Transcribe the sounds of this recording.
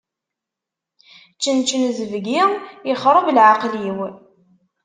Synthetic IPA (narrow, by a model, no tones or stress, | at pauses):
t͡ʃːənt͡ʃːənzəvɡiɪχɾˤəvlʕaqliw